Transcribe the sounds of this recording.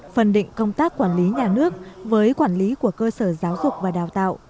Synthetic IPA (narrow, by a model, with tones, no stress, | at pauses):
fə˨˩nɗḭ˧˨ŋ̟kə˧wŋ͡mt̪aː˦˥kːwaː˧˩nli˨˦ɲaː˨˩nɨ˦˥ək̚vəː˨˦jkwaː˧˩nli˨˦ku˧˩əkəː˧səː˧˩zaː˨˦wzʊ˨˩k͡p̚vaː˨˩ɗaː˨˩wt̪a̰ː˧˨wʔ